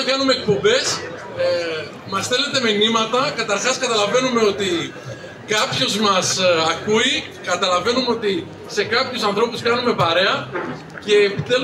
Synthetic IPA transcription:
kɐnume̞ːk̚po̞mbe̞s | mɐsθe̞le̞t̪e̞minimɐt̪ɐkɐt̪ɐɾxɐskɐt̪ɐlɐve̞nume̞o̞t̪i | kɐpçozmɐsɐkui | kɐt̪ɐlɐve̞numeo̞t̪i | se̞kɐpçusɐnθɾo̞puskɐnume̞pɐɾe̞ɐ | ce̞ːpit̪e

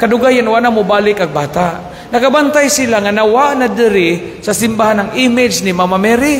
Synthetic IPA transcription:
kad̪ʊɡajanwaʔnamʊbaːlɪkaɡ̚baːt̪aʔ | nɐkabant̪ajsɪlaŋanawaʔnad̪ɪɾɪ | sasɪmbahanːaŋʔɪmɪd͡ʒnɪmamamɛɾi

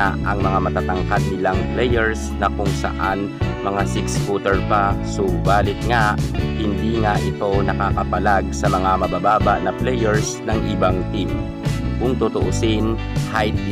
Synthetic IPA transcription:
aʔɐŋmɐŋamɐt̪aːt̪ɐŋkad̪̚nɪlaŋplɛjɛɹsnɐkʊŋsɐ̰ʔan | mɐŋasɪkskɔt̪ɛɹpasobaːlɪt̪̚ŋaʔhɪnd̪iːŋaʔɪt̪o̞nɐkaːkɐpɐlaɡ̚sɐmɐŋamɐbabaːbɐʔnɐplɛjɛɹsnɐŋʔɪbaŋt̪ip | kʊŋt̪ot̪oʔosɪn | hajd̪̚

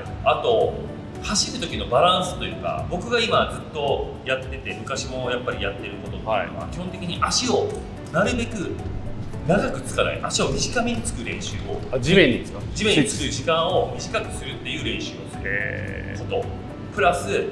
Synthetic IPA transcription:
at̪o̞ | haɕiɾɯ̟t̪o̞kʲino̞baɾãɰ̃sɨ̥t̪o̞jɯ̟ːka̰bo̞kɯ̟ɡaimad͡zɨt̪ːo̞ | jat̪ːe̞t̪e̞mɯ̟kaɕimo̞japːaɾʲijat̪ːe̞ɾɯ̟ko̞t̪o̞t̪ːo̰βa̰kʲihõnt̪̬e̞kʲiɲ̟iʔaɕio̞ | naɾɯ̟be̞kɯ̟ | naɡakɯ̟t͡sɨ̥kana̰ḭʔaɕio̞mʲiʑikamʲiɲ̟it͡sɨ̥kɯ̟ɾẽ̞ɰ̃ɕɨːo̰d͡ʑimẽɲːi | d͡ʑimeɲ̟it͡sɨ̥kɯʑikãɰ̃o̞mʲiʑikakɯ̟̥sɨɾɯ̟t̪ːe̞jɯ̟ːɾẽ̞ɰ̃ɕɨːnos | ko̞t̪o̞̰ | pɯ̟ɾasɨ

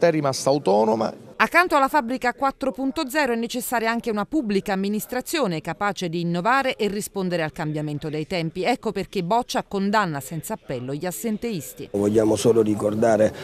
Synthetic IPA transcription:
t̪ɛrimast̪aːwt̪ɔːnoma̰akːant̪oalːafabɾikakwat̪ːɾopunt̪od̪zɛːɾoɛnːet͡ʃesːaːɾjaaŋkeunapubːlikaːmːinist̪ɾat̪sːjoːnekapaːt͡ʃed̪iːnːovaːɾeʔerːispond̪eɾealkambjament̪od̪ejt̪ɛmpiɛkːoperkebɔt͡ʃːakond̪anːasɛnt̪saːpːɛlːoʎːiasːent̪eist̪ivoʎːaːmosoːlorikord̪aːɾe

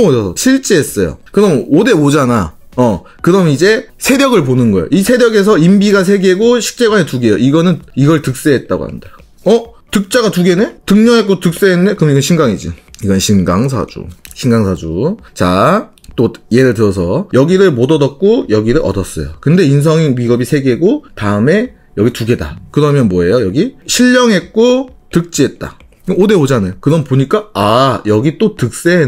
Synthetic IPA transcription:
odʌsʰʌɕʰiɭt͡ɕ͈eɦːs͈ʌjo̰kɯɾʌmode̞od͡ʑana | ʌ | kɯɾʌmid͡ʑe̞sʰe̞ɾjʌɡɯɭponɯnɡʌ̰jo̰ʔisʰe̞ɾjʌɡe̞s̬ʰʌimbiɡas̬ʰe̞ɡeɡoɕʰi̥k̚t͡ɕ͈e̞ɡwanetuɡejo̰ʔiɡʌnɯniɡʌɭtɯk̚s͈eɦet̚t͈a̰ɡo̰ha̰nda̰ | ʌtɯk̚t͡ɕ͈aɡatuɡenetɯŋɲʌŋɦek͈otɯk̚s͈eɦenːɯnde̞kɯmiɡʌnɕʰinɡaŋid͡ʑiiɡʌnɕʰinɡaŋs̬ʰa̰d͡ʑṵɕʰinɡaŋsʰad͡ʑu | t͡ɕa | t͈oje̞ɾɯɭtɯɾʌsʰʌjʌɡiɾɯɭmodʌdʌk̚k͈ojʌɡiɾɯɾʔʌ̰dʌs͈ʌ̰jo̰kɯnde̞ins̬ʰʌŋiɥiɡʌbisʰe̞ɡe̞ɡotaɯme̞ | jʌɡituɡe̞da̰kɯɾʌmjʌnmwʌe̞jojʌɡiɕʰiʎːʌŋɦe̞t̚k͈otɯk̚t͡ɕ͈iɦe̞t̚t͈a̰ | ɯode̞od͡ʑanɯkɯɾʌnpoɲik͈aajʌɡit͈otɯk̚s͈e̞ɦe

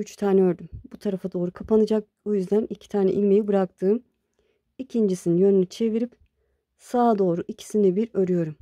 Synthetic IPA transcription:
yt͡ʃt̪ʰaːnɛøɾd̪ymbut̪ʰaɾafad̪o̞ːɾukʰapanɯd͡ʒak̚ | bujyzd̪ænicʰi̥t̪ʰaːnɛ̰ʔilʲmejibɯɾak̚t̪ʰɯːm | icʰind͡ʒisininjø̞nynyt͡ʃʰe̞viɾip | saːd̪o̞ːɾuʔicʰi̥sinibiɾøɾyjo̞ɾum

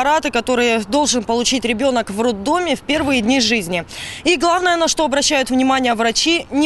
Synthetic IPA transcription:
ɾat̪ɨkɐt̪o̞ɾɨjəd̪o̞lˠʐɨnpəlˠʊt͡ɕitʲɾʲɪbʲo̞nəkvrod̪ːomʲɪfʲpʲe̞rvɨjədʲnʲiʐɨzʲnʲɪiɡlˠavnəjənɐʂt̪o̞ɐbɾɐɕːæjʊt̪vnʲɪmanʲɪjəvrɐt͡ɕinʲɪ

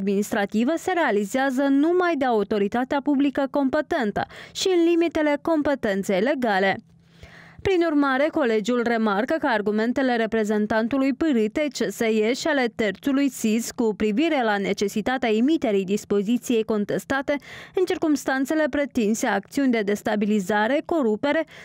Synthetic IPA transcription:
d̪minist̪ɾat̪ivəse̞ɾe̞alizeazənumajd̪eaut̪o̞ɾit̪at̪eapublikəko̞mpe̞t̪e̞nt̪ə̰ʃiɨnlimit̪e̞le̞ko̞mpe̞t̪e̞nt̪se̞jle̞ɡale̞ | pɾinurmaɾe̞ko̞le̞d͡ʒiulre̞markəkəarɡume̞nt̪e̞le̞ɾe̞pɾe̞ze̞nt̪ant̪ulujpɨɾɨt̪e̞t͡ʃe̞sejeʃiale̞t̪e̞rt̪sulujsiskupɾiviɾe̞lane̞t͡ʃe̞sit̪at̪eaemit̪e̞ɾijd̪ispo̞zit̪sije̞jko̞nt̪e̞st̪at̪e̞ɨnt͡ʃirkumst̪ant̪se̞le̞pɾe̞t̪inse̞akt̪siunʲd̪e̞d̪e̞st̪abilizaɾe̞ko̞ɾupe̞ɾe̞

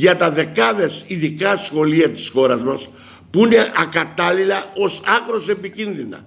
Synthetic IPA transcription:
ʝɐt̪ɐðe̞kɐðe̞siðikɐsxo̞liɐt̪i̥sxo̞ɾɐzmɐs | puine̞ʔɐkɐt̪ɐlilɐo̞sɐkɾo̞se̞picinðinɐ̰

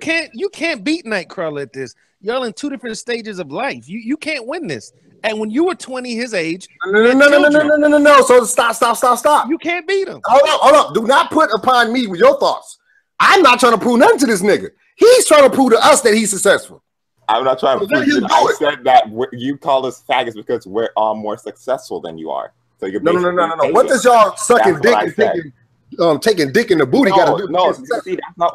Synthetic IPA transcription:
jkʰæ̃njɨkʰæ̃nb̥itⁿnaɪkʰɹ̥ʌlˠɨt̪̚ðɪs | jɛlˠɪ̃ntʰʉɾɪfɹɨ̃ntsteɪd͡ʒɨzʌvlaɪfjɨjɨkʰæ̃nʔwɪ̃nðɪ̰s | ɨ̃nwə̃njɨwə˞tʰw̥ɛ̃ñiɪzeɪd̥d͡ʒ̥nononoʊnoʊnoʊnoʊnonoʊnoʊnoʊsoʊstɑpstɑpstɑpstɑpjɨkʰæ̃nb̥iɾɪ̰̃moʊnoʊʔoʊnoʊdɨnət̚pʰʊɾəpʰɑ̃nmiwɨðjə˞θɔ̰ts | ʔãɪ̃mnətʰɹaɪ̃nəpʰɹunɛ̃tɨðɪs̬nɪɡɨ̰ | hiz̥tʰɹ̥aɪɪ̃ŋtʰəpʰɹ̥uvɾəʔʌsðɨt̚hiz̥sɨksɛsfl̩ˠ | ã̰ɪ̃mnətʰɹ̥aɪ̃nɨjidɨɪtsɛd̪̚ðɨt̚wəjɨkʰɔlˠðɪsfæɡɨzb̥ɨkʰʌzwə˞ʔəmɔ̰ɹsɨksɛsfl̩ˠðɨ̰̃njɨ̰ə̰˞ | soʊjɨnoʊ̃nnoʊnoʊnoʊnoʊwʌt̪̚ɨzjə˞sʌkɪ̃ndɪtʰeɪɪ̃ŋ | ʌ̃mtʰeɪkɪ̃ŋdɪkɪ̃ŋɨbuɾiɡɑɾədɨnosəksɛsiðætsnət

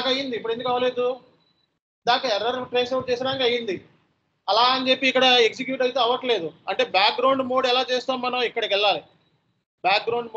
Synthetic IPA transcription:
kɐɐjind̪ipːuɽe̞nd̪ukɐʋɐle̞ːd̪u | d̪aːkɐɛɾːɐɾʈɾejsɐwʈ̚t͡ʃeːsɐɾaːnkɐjind̪i | ɐlaːɐnt͡ʃe̞pːiːkːɐɽɐeksik̬juːʈɐjit̪̬e̞ːɐʋːɐʈle̞ːd̪uɐɳʈe̞ːbjaːk̚ɡɾɐwɳɖmo̞ːɽɛlaːt͡ʃeːst̪aːmmɐnɐmikːɐɽɐkɛɭːaːli | bjaːk̚ɡɾɐwɳɖm

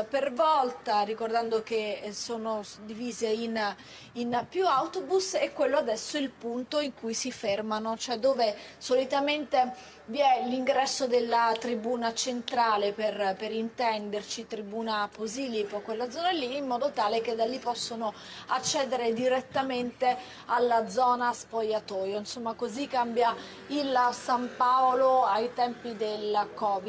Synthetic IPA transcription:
pervɔlt̪arikord̪and̪ok̟esoːnod̪iviːzein | inpjuawt̪obusɛkːwelːoad̪ɛsːoɛilpunt̪oiŋkujsifermanot͡ʃoɛd̪oːvesolit̪ament̪e | vjɛliŋɡɾɛsːod̪elːat̪ɾibuːnat͡ʃent̪ɾaːleperpeɾint̪ɛnd̪ert͡ʃit̪ɾibuːnapozilipokwelːad̪zɔːnalːiːmːɔːd̪ot̪aːlek̟ed̪alːipɔsːono | at͡ʃːɛːd̪eɾed̪iɾet̪ːament̪e | alːad̪zɔːnaspojat̪ɔːjoinsomːakozikːambja | ilsampaoloajt̪ɛmpid̪elkɔːvi

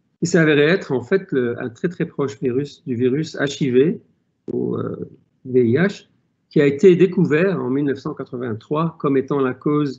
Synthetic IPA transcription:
esavɛʁɛɛt̪χɑ̃fɛt̪ləɛ̰̃t̪χɛt̪χɛpχɔʃviʁysd̪yviʁysa̰ʃive | o̰ø̰ | veiaʃ | kʲiaet̪ed̪ekuvɛʁɑ̰̃milnəfsɑ̃kat̪χəvɛ̃t̪χwakɔmet̪ɑ̃lakoz

